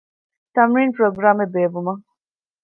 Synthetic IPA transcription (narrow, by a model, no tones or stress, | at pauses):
t̪ɐmɾiːnpɾoːɡɾaːmebeːʋumɐ